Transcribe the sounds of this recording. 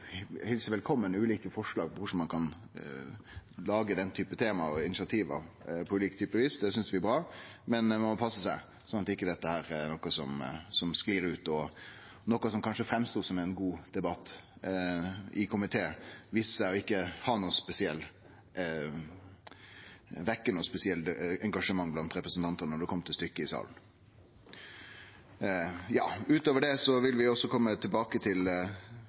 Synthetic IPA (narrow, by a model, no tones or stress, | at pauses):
hɛlsəʋɛlkʰɔmːənʉːliːkəfɔʂɭɑːɡ̚pɔkʊʂmɑnkʰɑn | lɑːɡəd̪ɛnːt̪ʰyːpət̪ʰeːmɑɔɪnɪsɪɑt̪ʰiːʋɑ̰pʰɔʉːliːkt̪ʰyːpəʋiːsd̪ɛsʏnsd̪ʋɪɛbɾɑːmɛnmɛmɔpʰɑsːəsæɪ | sɔnɑt̪ɪkːəd̪ɛt̪ːəhæːɾɛnɔkɑsɔmsɔmskliːɾʉːt̪ɔ | nɔkːɑsɔmkʰɑnʂəfɾɛmst̪uːsɔmæɪnɡuːd̪̥ɛbɑt̪ː | ʔɪkʰʊmɪt̪ʰeːʋissæɪɔɪkːəhɑnuːəspɛsɪɛlː | ʋɛkːənuːspɛsɪɛlt̪ɛŋɡɑʂəmɑŋːblɑnt̪ɾɛpɾəsnt̪ʰɑnt̪ənənɔɖʉkʰɔmt̪ʰɪst̪ʏkːəɪsɑ̰ːln̩ | jɑ̰ːʉːt̪oːʋəɖɛsɔʋɪlʋɪɔsɔkʰɔmːət̪ʰɪlbɑːkət̪ʰɪl